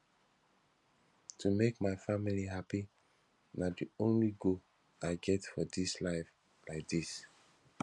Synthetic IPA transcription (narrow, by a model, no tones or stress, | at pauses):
tʰumekmaɪfamiliɦapi | nadiõnliɡo | aɪɡɛtfɔdislaɪf | laɪk̚d̥is